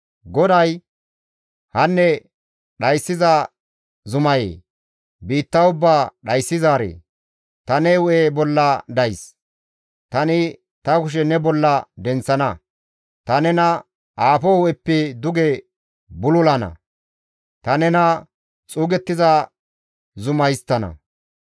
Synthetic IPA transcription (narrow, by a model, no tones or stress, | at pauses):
ɡɔd̪ɐj | hɐnːɛ | ɗɐjsːɪzɐ | zʊmɐjḛː | biːt̪ːɐwʊbːaːɗɐjsːɪzaːɾḛː | t̪ɐnewʊʔebɔlːɐd̪ɐjs | t̪ɐnɪ | t̪ɐkʊʃ̬ɛnɛbɔlːɐd̪ɛnt͡sːɐnɐ | t̪ɐnɛnɐ | ʔaːfɔhʊʔɛpːɪd̪ʊɡɛ | bʊlʊlɐnɐ̰ | t̪ɐnɛnɐ | t͡sʼuːɡɛt̪ːɪzɐ | zʊmɐjst̪ːɐnɐ̰